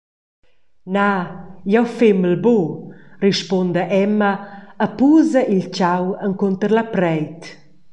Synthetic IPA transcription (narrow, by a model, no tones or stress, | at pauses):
najɛwfeməlboriʃpond̪əʔɛmːəːpuzɐʔilt͡ʃawəŋkont̪əɾlapɾɛjt̪